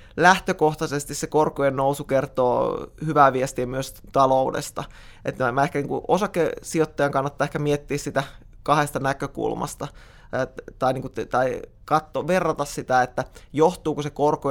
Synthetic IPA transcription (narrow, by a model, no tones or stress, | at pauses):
læht̪økoht̪ɑsest̪issekorkojennousukert̪o̰ːhyʋæːʋiest̪iemyøs | t̪ɑloudḛst̪ɑ | ʔḛt̪ːmæehkæniːŋkuʔosɑkːesiot̪ːɑjɑŋkɑnːɑt̪ːɑːehkæmiet̪ːiːssit̪ækɑhest̪ɑnækøkṵlmɑ̰st̪ɑ | t̪ɑiniːŋkut̪t̪ɑi | kɑt̪ːoʋerːɑt̪ɑssit̪æet̪ːæjoht̪uːkusekorko